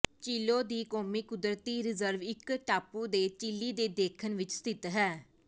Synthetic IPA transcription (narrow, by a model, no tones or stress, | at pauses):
t͡ʃiːloːd̪iːkoːmiːkʊd̪ɾət̪iːɾɪzəɾʋɪkʈaːpuːd̪eːt͡ʃiliːd̪eːd̪eːkʰənʋɪt͡ʃst̪ɪt̪ɦɛː